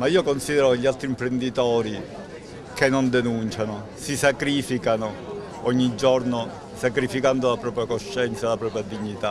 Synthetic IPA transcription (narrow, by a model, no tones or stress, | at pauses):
maiːokonsiːd̪ɛɾoʎːialt̪ɾimpɾend̪it̪ɔːɾi | kenːond̪enunt͡ʃano | sisakɾiːfikano | ɔɲːid͡ʒːɔrno | sakɾifikand̪olapɾɔːpɾjakoʃːɛnt̪salapɾɔːpɾjad̪iɲːit̪a